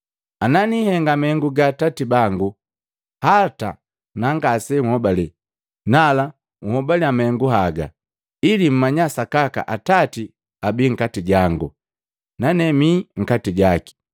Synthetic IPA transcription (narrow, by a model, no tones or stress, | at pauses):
ananihɛŋɡamɛŋɡuɡatatibaŋɡu | hata̰ | naŋɡasɛŋhɔbali | nala | ŋuhɔbaliamɛŋɡuɦaɡa̰ | ilim̩maɲasakaka̰ʔatati | abiŋ̩katiɟaŋɡṵ | nanɛmiŋ̩katiɟaki̥